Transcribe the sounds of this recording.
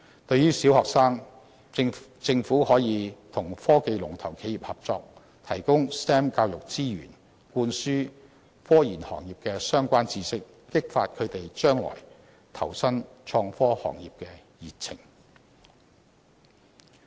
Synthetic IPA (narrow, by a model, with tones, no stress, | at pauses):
t̪ɵ˧ɥyː˥siː˨˥whɔː˨k̚saː˥ŋ | t͡sɪ˧ŋfuː˨˥hɔː˨˥jiː˨˧t̪ʰʊ˨˩ŋfɔː˥ke˧jlʊ˨˩ŋt̪ʰɐ˨˩wkʰe˨˧jiː˨˩p̚hɐ˨p̚t͡sɔː˧k̚ | t̪ʰɐ˨˩jkʊ˥ŋst̪ɛː˥mkaː˧wjʊ˨k̚t͡siː˥ɥy̰ː˨˩n | kuː˧nsyː˥ | fɔː˥jiː˨˩nhɔ̰ː˨˩ŋjiː˨p̚kɛː˧sœː˥ŋkʷaː˥nt͡siː˧sɪ˥kːɪ˥k̚faː˧t̚kʰɵ˨˧ɥt̪e˨jt͡ʃœː˥ŋlɔ̰ː˨˩j | t̪ʰɐ̰˨˩wsɐ˥nt͡ʃʰɔː˧ŋfɔː˥hɔ̰ː˨˩ŋjiː˨p̚kɛː˧ | jiː˨t̚t͡sʰɪ̰˨˩ŋ